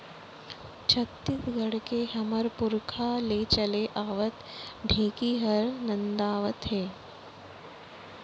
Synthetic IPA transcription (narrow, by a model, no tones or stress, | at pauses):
t͡ʃʰɐk̚t̪ɪt̪ɡʱəɽkeɦɐməɾpʊɾkʰalet͡ʃɐleʔaːʋət̪ | ɖʱeːkiːɦəɾnɐ̃nd̪aːʋət̪ɦeː